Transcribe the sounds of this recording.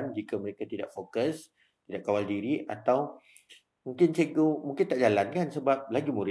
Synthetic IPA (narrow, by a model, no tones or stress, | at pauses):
nd͡ʒikaməɾekat̪ida̰ʔfokəs | t̪idaʔkawaldiɾiʔat̪aw | mũŋkɪnseɡomũŋkɪnt̪aʔd͡ʒalankansəbap̚laɡimũɾɪ